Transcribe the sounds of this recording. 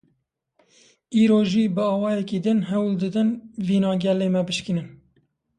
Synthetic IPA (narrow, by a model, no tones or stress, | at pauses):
iːɾoːʒiːbɨɑːwɑːjɛkiːd̪ɨnɦɛwld̪ɨd̪ɨnviːnɑːɡʲɛleːmɛbɨʃkinɨn